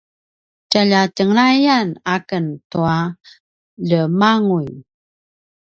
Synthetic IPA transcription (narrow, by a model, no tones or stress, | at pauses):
t͡ʃaʎatəŋɾajanakəntua | ɮəmaŋuj